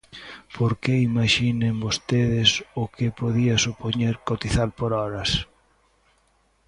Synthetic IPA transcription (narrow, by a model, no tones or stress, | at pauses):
pʰoɾkeimaʃinembost̪eðɪsʊkɪpoðiɐsupoɲeɾkot̪iθalpoɾɔɾɐs